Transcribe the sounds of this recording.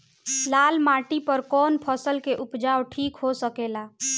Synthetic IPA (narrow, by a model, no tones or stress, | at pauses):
lalmaʈipəɾkɔːnpʰəsəlkeʔupd͡ʒawʈʰiːkɦosəkela